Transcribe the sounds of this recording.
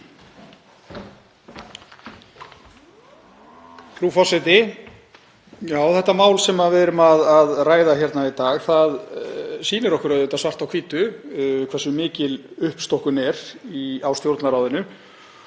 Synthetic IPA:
fɾufɔsɪt̪ɪ | jaːwθɛht̪ːamaːwlsɛmaðvɪɛɾʏmaðaðraːjðaçjɛɾt̪nait̪aːɣθaðsiːnɪɾɔhkʏɾaðʏːt̪asvar̥t̪awkʰviːt̪ʏkʰvɛrsʏmːɪːcɪlʏhpst̪ɔhkʏnɛɾiawst̪jowɾt̪naɾaːwðɪnʏ

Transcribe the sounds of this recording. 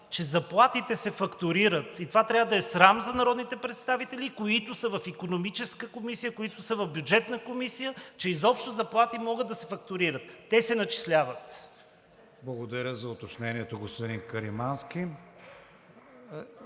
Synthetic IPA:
t͡ʃɛzɐplˠat̪it̪ɛsɛfɐkt̪ʊɾiɾət̪it̪ovat̪ɾʲavəd̪ɐɛsɾamzɐnɐɾɔd̪nit̪ɛpɾɛt̪st̪avit̪ɛlikoit̪ʊsəvɐfikonomit͡ʃɛskəkomisijəkoit̪ʊsəvɐvbʲjud͡ʒɛt̪nəkomisijət͡ʃɛizɔpʃt̪ʊzɐplˠat̪imɔɡəd̪ːɐsɛfɐk̚t̪ʊɾiɾət̪ːɛsɛnɐt͡ʃi̥slʲavət̪ | blˠɐɡod̪ɐɾʲəzɐʊt̪ot͡ʃnɛniɛt̪oɡospod̪inkəɾimanskʲi

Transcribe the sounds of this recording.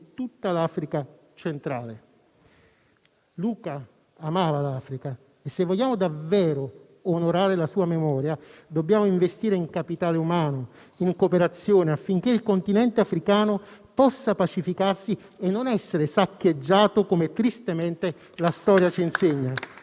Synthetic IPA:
t̪ut̪ːalaːfɾika | t͡ʃent̪ɾaːle | luːkaː | maːvalaːfɾika | esːevːɔʎːaːmʊd̪avːɛːɾʊː | noɾaːɾelasuːamemɔːɾjad̪objaːmoiɱvest̪iːɾeiŋkapit̪aːleumaːno | iŋkopeɾat̪sːjoːneafːiŋk̟eilkont̪inɛnt̪eafɾikaːnʊpɔsːapat͡ʃifikarsienːonɛsːeɾesakːed͡ʒːaːt̪ʊkomet̪ɾist̪ement̪e | last̪ɔːɾjat͡ʃinseɲːa

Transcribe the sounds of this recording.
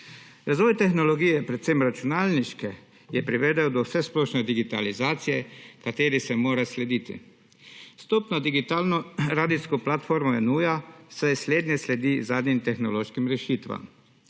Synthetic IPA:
ɾazʋɔːjt̪ɛxnɔlɔɡiːjɛpɾɛt̪semɾat͡ʃunaːlniʃkɛ | jɛpɾiʋɛd̪ɛwd̪ɔwsɛsplɔːʃnɛd̪iɡit̪a̰lizaːt̪sijɛkat̪eːɾisɛmoːɾaslɛd̪iːt̪ḭ | st̪ɔːpnad̪iɡit̪aːlnɔɾaːd̪iskɔplat̪foːɾmɔɛnuːjasɛjsleːd̪nʲjɛslɛd̪izaːd̪nimt̪ɛxnɔloːʃkimɾɛʃiːt̪ʋa̰m

